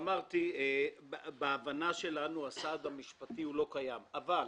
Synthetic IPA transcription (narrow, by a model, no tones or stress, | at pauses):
maʁt̪iebeːvanaʃe̞lanuasad̪amiʃpatiulo̞kajamaval